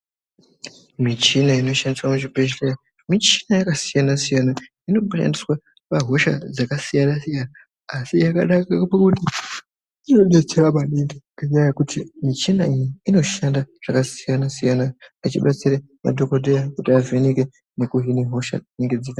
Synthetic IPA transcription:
mit͡ʃinaino̞ʃandiswamuʐibeʃlera | mit͡ʃi̥najakasijanasijana | ino̞ɓʃa̰ndiswa | paɦo̞ʃa̰d͡zakasijanasijanaː | sijaka̰ɗakakpakuti | inoɗet͡seɾamaɗendekaɲajakutʰimit͡ʃinaijiːno̞ʃandaʐ̥akasijanasijanaːt͡ʃiɓat͡siɾa | ma̰dʱo̞kodʱejakutiaveneke | ne̞kuɦiniɦo̞ʃa̰neŋɡed͡zeta

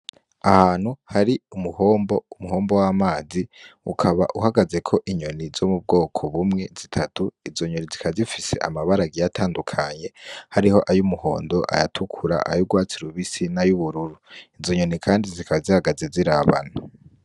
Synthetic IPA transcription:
ahaːn̥huhaɾiumuhoːmbo̞umuho̞ːmbo̞wamaːziṵkʰaβa̰ʔuhaɡaze̞kʰo̞ʔiɲo̞nizo̞mub̚ɡo̞ːkʰo̞βumŋe̞zitʰatuizo̞ɲonizikʰazifise̞̰ʔa̰maβaɾaɡijatʰaːndukʰaɲe̞haɾiho̞ʔajumuho̞̰ːndo̞ʔa̰jatʰukʰuɾa̰ʔa̰juɡwaːt͡siɾuβisinajuβuɾuɾuizo̞ɲo̞nikʰaːndizikʰaβzihaɡazeziɾaβa̰na

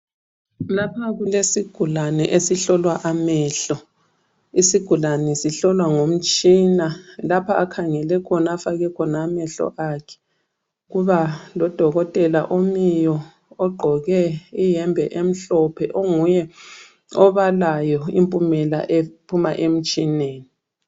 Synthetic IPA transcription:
lapʰaɣulesiɡ̥ʱulanɛʔesiɬɔlwaʔamɛɬɔ | isiɡ̥ʱulanɛsiɬɔlwaŋom̩t͡ʃʼinalapʰaakʰaŋɛlɛkʰɔnaafaɣɛkʰɔnaːmɛɬɔ̰ʔakʰɛ̥ | ɣuβalɔd̥ʱɔɣɔtʼɛla̰ʔomijɔː | ɡ͡ǃʱɔɣɛijɛmbʱɛʔem̩ɬɔpʰɛʔoŋujɛ | ɔβalajɔḭmpʼumɛla̰ʔepʰumaʔem̩t͡ʃʼineːni

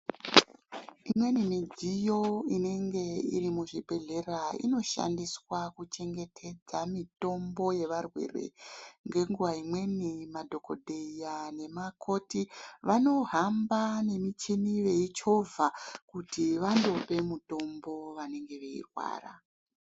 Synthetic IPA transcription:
imwe̞nimid͡zijo̞ine̞ŋɡe̞irimuʐibʱe̞ɮe̞raḭno̞ʃa̰ndiswakut͡ʃe̞ŋɡe̞tʰe̞d͡zamito̞mbo̞je̞ʋarwe̞̰ːre̞̰ŋɡe̞ŋɡuʋaimwe̞nimadʱo̞ko̞̰dʱe̞ijane̞makʰo̞tiʋano̞ɦambane̞mit͡ʃiniʋe̞it͡ʃo̞vakutiʋando̞pe̞muto̞mbo̞ʋane̞ŋɡe̞ʋe̞ḭrwa̰ːra̰

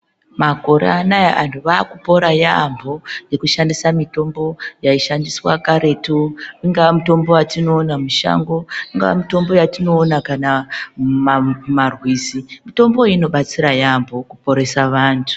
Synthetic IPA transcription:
mako̞ɾḛanajaantʰuʋakupo̞ɾajambʱo̞je̞kuʃandisamito̞mbo̞jaiʃandiswakaɾe̞tuiŋɡaʋamito̞mbo̞watino̞ːnamuʃa̰ŋɡo̞iŋɡaʋa̰mito̞mbo̞jatino̞ːnakanammarwiːzimito̞mbo̞ino̞ɓat͡siɾajambo̞kupo̞ɾe̞saʋaːntʰu̥

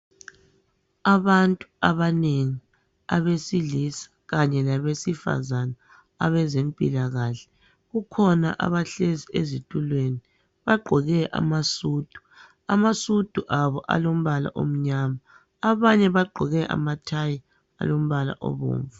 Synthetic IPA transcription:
aβantʼuaβaneŋi | a̰βesilisḁɣaɲɛlaβesifa̰zanaː | βɛzempʼḭlaɣaɬɛ̥ | ɣukʰɔna̰ʔa̰βaɬeziezitʼulweni | βaɡ͡ǃʱɔɣɛʔa̰masuːd̥ʱu̥ | amasud̥ʱuʔaβɔʔa̰lom̩βala̰ʔo̰m̩ɲama | aβaɲɛβaɡ͡ǃʱɔɣɛʔa̰matʰaji | a̰lom̩βala̰ʔɔ̰βo̰ːɱvu

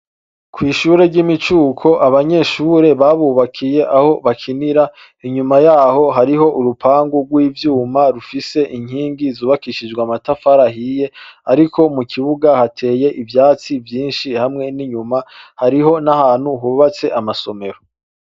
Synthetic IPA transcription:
kʰwiːʃuːɾe̞ɾɟimit͡ʃuːkʰo̞ʔaβaɲe̞ːʃuɾe̞βaβuːβakʰije̞ʔaho̞βakʰiniɾa | iɲumajaːɦo̞ɦaɾiɦo̞ʔuɾupʰaːŋɡuɡwiːvjuːmaɾufise̞ʔiɲhiːŋɡizuːβakiʃid͡ʒɡwamatafaɾaɦije̞aɾikʰo̞mukʰiβuɡahatʰe̞ːje̞ʔivjaːt͡sivjiːnʃihamŋe̞niɲumahaɾiɦo̞nahaːn̥huɦuβat͡se̞ʔamaso̞me̞ɾo

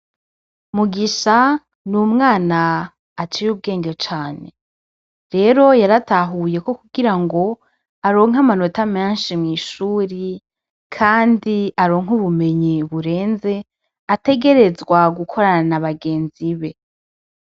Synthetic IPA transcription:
muɡiʃa | numŋaːnaː | t͡ʃiɾuːb̚ɡe̞ːŋɡet͡ʃaːne̞ | ɾe̞ːɾo̞jaɾataɦuje̞ko̞kuɡiɾaŋɡo̞ | aɾo̞ːŋ̥amano̞tameːnʃimŋiːʃuɾi | kʰaːndiaɾoŋ̥uβume̞ɲiβuɾe̞ːnze̞ | ate̞ɡe̞ɾe̞zɡwaɡukʰo̞ɾananaβaɡe̞ːnziβe̞

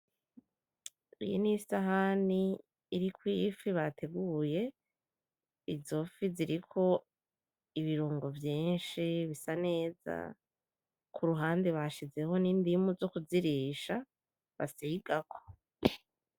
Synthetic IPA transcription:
ḭjinisaɦaniː | ɾikwifiβatʰe̞ɡuje̞ | izo̞fiziɾikʰo̞ | iβiɾuːŋɡo̞vjiːnʃiβisane̞ːza̰ | kʰuɾuɦaːndeβaʃize̞ho̞niːndimuzo̞kuziɾiːʃa | βa̰siːɡ̥akʰo̥

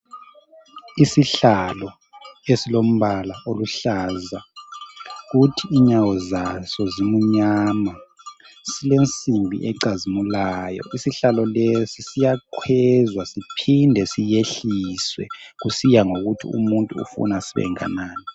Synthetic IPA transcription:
isiɬalɔ | esilom̩βalaʔoluɬaza | ɣutʰiːɲawɔzasɔzimuɲama | silent͡sʼimbʱḭʔɛǀazimulajɔ̰isiɬalɔlesisijakʰwɛzwasipʰindʱɛsijeɬiswɛ̰ɣusijaŋoɣutʰḭṵmuntʼuṵfṵnasiβɛ̰ŋa̰naːni

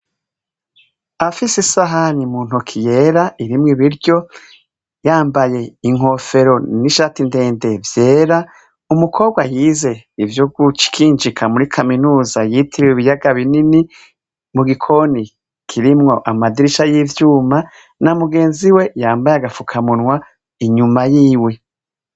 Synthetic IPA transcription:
afisesaɦanimuːn̥ukʰije̞ːɾaiɾimŋiβiɾɟo̞ | jaːmbaje̞iŋ̥ɦo̞fe̞ɾo̞niʃatinde̞ːnde̞vje̞ːɾa | umukʰo̞ːb̚ɡwajiːze̞ivjoɡut͡ʃi̥kʰiːnd͡ʒikʰamuɾikʰaminuːzajitʰiɾiwiβijaɡaβinini | muɡikʰo̞ni | kʰiɾimŋo̞ʔamadiɾiʃajivjuːma | namuɡe̞ːnziwe̞jaːmbajaɡafukʰamunwa | iɲumajiːwe̞

